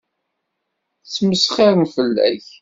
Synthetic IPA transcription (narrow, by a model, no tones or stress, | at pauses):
t͡sːməsχɪɾəmfəlːæ̰ç